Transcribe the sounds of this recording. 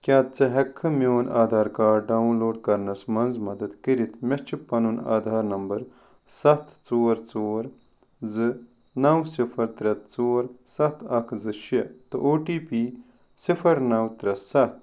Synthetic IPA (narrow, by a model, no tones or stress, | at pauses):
kʲaːt̪̚t͡sɐɦɐkʰːɨmoːnaːd̪ʱaːɾkaːɖaːunloːɖ̚kɐɾnɐsmɐnzmɐd̪ɐd̪kiɾit̪ʰmʲɐt͡ʃʰipɐnuna̰ːd̪ʱaːɾnɐmbɐɾ | sɐt̪ʰt͡soːɾt͡soːɾ | zɨ | nɐwsifʰɐɾt̪ɾɐt̪̚t͡soːɾsɐt̪ʰɐkʰzɨʃit̪ɨ̰ʔoːʈiːpiː | sifʰɐɾnɐwt̪ɾɐssɐt̪̚